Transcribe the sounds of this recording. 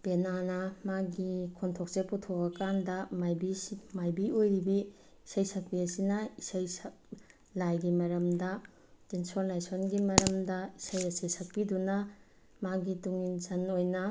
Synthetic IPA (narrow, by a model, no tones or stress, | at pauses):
penanɐmaɡikʰontʰok̚t͡ʃeputʰokɐkandɐmajbimajbiojɾibiː | sɐjsɐk̚piɐsinɐisajsk | lajɡimɐɾɐmdɐ | tensoɾnajsonɡimɐɾɐmdɐisajɐsesɐk̚pidunɐ | maɡituŋinzɐnojnɐ